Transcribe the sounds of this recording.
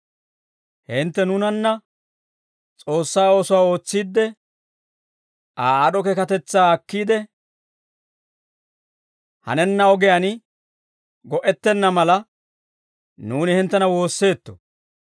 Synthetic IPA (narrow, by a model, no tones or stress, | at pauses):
hɪnt̪ːɛnʊnɐnːɐ | t͡sʼo̞ːsːaːoːsʊwaːo̞ːt͡sːiːd̪ːɛ | aːaɗɔkɛkɐt̪ɛt͡sːaːɐkːiːd̪ɛ | hɐ̰nɛnːɐɔɡɛjɐnɪ | ɡɔʔɛt̪ːɛnːɐmɐlɐ | nuːnɪhɪnt̪ːɛnɐwo̞ːsːe̞ːt̪ːɔ̥̰